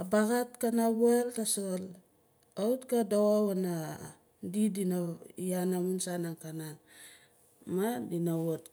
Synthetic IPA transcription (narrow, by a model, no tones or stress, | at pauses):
abaɡatkanaβeltasol | autkadawawana | didinaianamunsanaŋkanan | madinawot